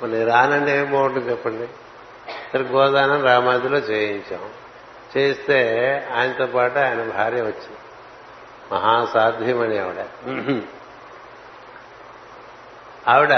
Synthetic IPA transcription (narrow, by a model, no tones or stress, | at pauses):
mɐniɾaːnɐɳɖeːpoːɐɳʈut͡ʃɛpːɐɳɖi | t̪ɐɾɡɔːd̪aːnɐmɾaːmaːd̪ilo̞ːt͡ʃeːjiɲt͡ʃaːm | t͡ʃeːst̪e̞ːaːjɐnɐt̪oːpaːʈuaːjɐnɐbʱaːɾjɐʋɐt͡ʃːin | mɐɦaːsaːd̪ʱjɐmɐniɐʋiɽɐ | aːʋiɽɐ